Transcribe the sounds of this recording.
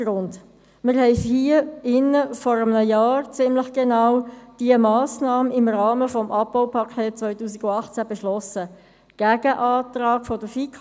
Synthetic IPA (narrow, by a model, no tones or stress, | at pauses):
ɾʊnd | mɪɾhɛɪfhiːəɪnəfɔɾəmnəjɑːɾt͡sɪmləχɡ̥enawd̥iəmɑːsnɑːməɪmrɑːməfɔmʔɑp̚ːaʊpʰɑkʰɛːt̚t͡sʋœʏtuːsiɡʊɑχt͡sæb̥ɛʃlɔsə | ɡ̥æɡ̥əʔɑːt̪ɾɑːkfɔd̥əfikʰ